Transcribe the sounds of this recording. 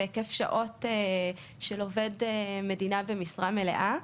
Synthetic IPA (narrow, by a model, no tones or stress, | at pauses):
ekefʃa̰ʔo̞te | ʃelovedeme̞dinavemisʁame̞lḛʔa